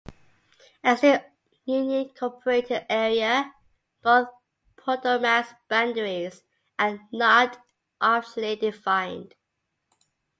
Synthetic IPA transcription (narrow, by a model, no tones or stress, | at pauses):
əzə | jʉnikʰɔpʰəɹetʰɪdɛɹiə | b̥oθ | pʰɔtəmæsb̥æ̃ndəɹɪz | ʔənət | ʔɑˑt͡ʃlidɪfãɪ̃nd̥